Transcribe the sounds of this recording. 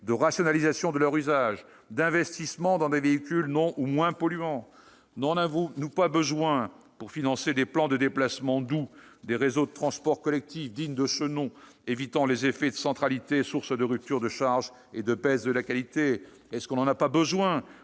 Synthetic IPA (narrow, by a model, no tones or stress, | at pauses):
d̪əʁasjɔnalizasjɔ̃d̪əlœʁyzaʒ | d̪ɛ̃vɛst̪ismɑ̃d̪ɑ̃d̪eveikʲylnɔ̃ʔumwɛ̃pɔlɥɑ̃ | nɑ̃navunupabəzwɛ̃ | puʁfinɑ̃sed̪eplɑ̃d̪əd̪eplasmɑ̃d̪ud̪eʁezod̪ət̪χɑ̃spɔʁkɔlɛk̚t̪ifd̪iɲd̪əʃənɔ̃ | evit̪ɑ̃lezefɛd̪əsɑ̃t̪χalit̪esuʁsəd̪əʁyp̚t̪yʁd̪əʃaʁʒ | ed̪əpɛzd̪əlakalit̪e | ɛskɔ̃nɑ̃napabəzwɛ̃